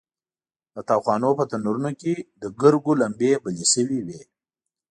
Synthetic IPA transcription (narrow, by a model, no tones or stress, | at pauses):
d̪ət̪ɑxwɑnopət̪anuɾunoked̪əɡəɾɡolambebəlisəwiwe